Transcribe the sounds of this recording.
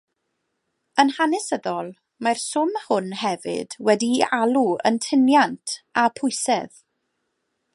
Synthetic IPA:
ənhanɛsəðɔlˠ | marsʊmhʊnɦɛvɨ̰d̥wɛdialˠuə̰ntʰɪnjantʰapʰʊjsɛð

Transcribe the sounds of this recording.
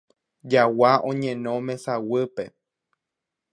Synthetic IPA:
d͡ʒawaʔõɲẽnõmẽ̞sawɨpe

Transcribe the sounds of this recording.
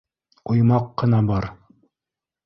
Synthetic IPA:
ŏjmɑqːɤ̆nɑbɑɾ

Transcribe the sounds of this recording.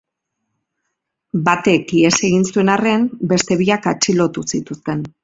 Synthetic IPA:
bat̪e̞kie̞se̞ɣinsue̞nare̞mbe̞st̪e̞βiakat͡ʃilo̞t̪usit̪ust̪e̞n

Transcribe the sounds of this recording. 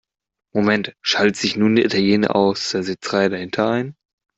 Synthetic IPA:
momɛntʃaltz̥ɪçnuːndiʔitʰaljeːnə̰ʔa̰ʊsd̥eːɐzɪt͡səʁaɪədahɪntʰɐaɪn

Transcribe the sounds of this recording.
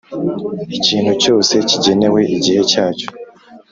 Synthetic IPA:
iciːnhuco̞ːse̞ciɟe̞ne̞we̞ʔiɟihe̞caːco̥

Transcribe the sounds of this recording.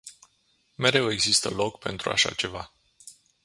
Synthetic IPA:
me̞ɾe̞we̞ɡzist̪əlo̞kpe̞̰nt̪ɾua̰ʃa̰t͡ʃe̞va

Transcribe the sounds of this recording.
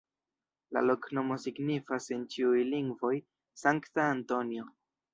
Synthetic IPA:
la̰lo̞kno̞mo̞siɡnifase̞nt͡ʃiujliŋɡvo̞j | saŋktaːnto̞njo̞

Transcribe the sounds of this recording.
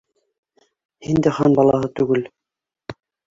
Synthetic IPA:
hind̪æχɑnbɑlˠɑhɤt̪ʉɡɘl

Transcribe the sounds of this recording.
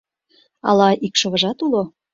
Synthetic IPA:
ɑ̰lɑikʃŏβə̆ʒɑt̪ulo

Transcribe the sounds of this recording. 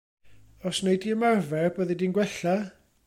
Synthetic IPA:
ɔsnejdiəmarvɛrbəðidinɡwɛɬa

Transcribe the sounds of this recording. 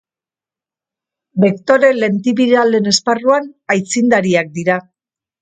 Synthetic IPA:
bekt̪o̞ɾe̞le̞nt̪iβiɾale̞ne̞sparuanajt͡sind̪aɾiak̚d̪iɾa

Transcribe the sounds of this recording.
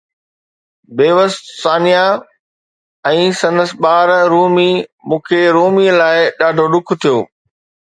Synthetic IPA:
beːʋəssaːnija | ɛ̃ːsɐ̃nd̪əsɓaːɾɾuːmimũːkʰeɾuːmilaːɪɗaːɖʱoɗʊkʰt̪ʰijoː

